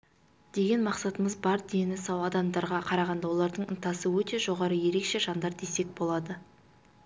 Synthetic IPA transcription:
d̪̥e̞ɡʲe̞nmɑqsɑt̪əməzbɑɾd̪ejnɪsɑwɑd̪ɑmd̪ɑɾʁɑqʰɑɾɑʁɑnd̪ɑwo̞lˠɑɾd̪əɴənt̪ɑsəwɵt̪e̞ʒo̞ʁɑɾəje̞ɾe̞kʃe̞ʒɑnd̪ɑɾd̪e̞se̞k̚bo̞lˠɑd̪ə

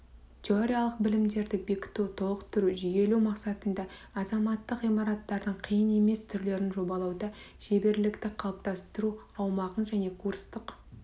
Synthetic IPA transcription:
t̪ʲʰeoɾʲijalˠəq̚bɪlɪmd̪e̞ɾd̪ɪbe̞kʲɪ̥t̪uwt̪ʰolˠəqt̪ʰʏɾuʒʏje̞lumɑqsɑt̪ənd̪ɑ | ɑzɑmɑt̪ːəqijmɑɾɑt̪ːɑɾd̪əɴqʰijəne̞me̞st̪ʰʏɾle̞ɾɪnʒo̞bɑlˠɑwd̪ɑʒ̥ebe̞ɾlɪkt̪ɪqʰɑlˠəp̚t̪ɑst̪əɾuɑwmɑʁənʒæne̞kʰuɾst̪əq

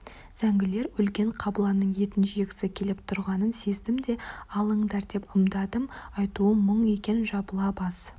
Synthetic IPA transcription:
z̥æŋɡʲɪle̞ɾʏlkʲe̞ɴqʰɑblˠɑnːəɴje̞t̪ɪnʃɪekʲɪ̥sɪkʲʰe̞lɪpt̪ʰʊɾʁɑnənse̞zd̪ɪmd̪e̞ɑlˠəɴd̪ɑɾd̪e̞pəmd̪ɑd̪əmɑjt̪uəməɴe̞kʲe̞nʒɑbəlˠɑpɑz̥

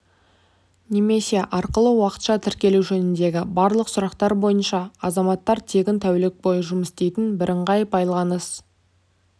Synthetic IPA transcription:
ne̞me̞se̞ʔɑɾqəlˠəwɑqə̥t̪ʃɑt̪ʰɪɾkʲe̞luʒɵnɪnd̪e̞ɡʲɪbɑɾlˠəqsʊɾɑqt̪ɑɾbo̞jənʃɑɑzɑmɑt̪ːɑɾt̪ʰe̞ɡʲɪnt̪ʰæwlek̚bo̞jəʒʊməst̪e̞jt̪ɪnbɪɾʔɪɴʁɑjəpɑjlˠɑnəs

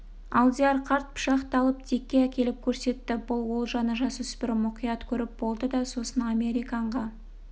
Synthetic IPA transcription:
ɑlˠd̪iɑrqʰɑɾt̪̚pʰʊ̥ʃɑqt̪ɑlˠəp̚t̪ʰekʲːeækʲe̞lɪp̚kʲʰɵɾse̞t̪ːɪbʊlˠwo̞lˠʒɑnəʒɑsɵsbɪɾmʊqijɑt̪kʲʰɵɾɪp̚bo̞lˠd̪əd̪ɑso̞sənɑme̞ɾijkɑɴʁɑ

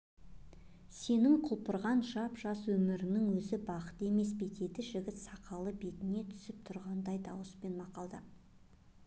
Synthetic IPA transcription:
se̞nɪŋqʰʊlˠpəɾʁɑnʒɑpʒɑswɵmɪɾɪnɪŋwɵzɪbɑqə̥t̪e̞me̞sbe̞t̪e̞t̪ɪʒɪɡʲɪt̪sɑqɑlˠəbe̞t̪ɪne̞t̪ʰʏ̥sɪp̚t̪ʰʊɾʁɑnd̪ɑjd̪ɑwəspe̞nmɑqɑlˠd̪ə

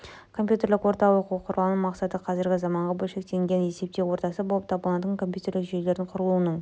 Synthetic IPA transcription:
kʰo̞mpjut̪e̞ɾlɪkwo̞ɾt̪ɑwoquəqʰʊɾlˠɑnəɴmɑqsɑt̪əqʰɑzɪɾɡʲɪzɑmɑɴʁɑbɵlʃe̞k̚t̪e̞ŋɡʲenjese̞p̚t̪ewo̞ɾt̪ɑsəbo̞lˠəpt̪ʰɑbəlˠɑd̪əŋkʰo̞mpʲjut̪e̞ɾlɪkʒe̞jle̞ɾɪɴqʰʊɾəlˠuənəɴ

